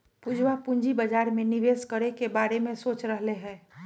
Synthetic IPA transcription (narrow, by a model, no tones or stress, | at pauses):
pud͡ʒwapʊɲd͡ʒibəd͡ʒaːɾmẽnɪʋeːskəɾekebaːɾemẽsoːt͡ʃɾəɦleɦɛ̃ː